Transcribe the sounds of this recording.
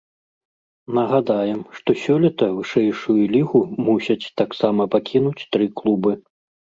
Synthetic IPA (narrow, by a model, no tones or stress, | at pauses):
nɐɣad̪ajɛmʂt̪ɔsʲɔlʲɐt̪ɐvɨʂɛjʂujulʲiɣumusʲɐt͡sʲt̪aksamɐpakʲʰinut͡sʲt̪ɾɨklˠubɨ